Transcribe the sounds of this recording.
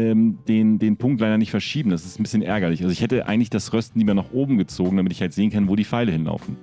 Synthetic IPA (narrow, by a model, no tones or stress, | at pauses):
ɛːmd̥eːndeːnpʰʊŋktlaɪɾɐnɪçtfɛɐʃiːbm̩d̥asɪ̥stn̩bɪsçənʔɛ̰ɐɡɐlɪçʔalzoɪçhɛtəʔa̰ɪɡŋ̩tlɪçd̥asʁœstn̩diːmaɐnaχʔoːbm̩ɡət͡soːɡŋ̩damɪtɪçhaltz̥eːənkʰanvoːdiːfaɪləhɪnla̰ʊfn̩